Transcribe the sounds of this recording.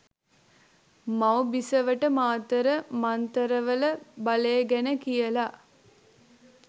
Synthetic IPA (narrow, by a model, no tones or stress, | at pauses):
mawbisəʋəʈəmaːt̪əɾəmant̪əɾəʋələbaleːɡænəkijəla